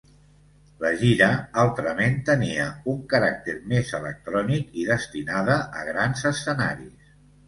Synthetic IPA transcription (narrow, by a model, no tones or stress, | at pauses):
ləʒiɾəalˠt̪ɾəment̪əniəuŋkəɾak̚t̪eɾmezələ̰k̚t̪ɾɔnikiðəst̪inaðəʔəɣɾanzəsəna̰ɾis